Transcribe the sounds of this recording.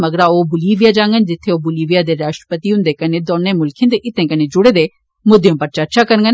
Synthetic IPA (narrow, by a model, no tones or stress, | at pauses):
məɡɾaːoːbʊliːʋijaːd͡ʒãːŋɡənd͡ʒɪt̪ʰːeːoːbʊliːʋijaːd̪eːɾaːʃʈɾə̥pət̪iːɦʊ̃nd̪eːkəneːd̪oːnːẽːmʊlkʰẽnd̪eːʔɪt̪ːẽːkəneːd͡ʒʊɽeːd̪eː | mʊd̪jõːpəɾt͡ʃəɾt͡ʃʰaːkəɾŋɡən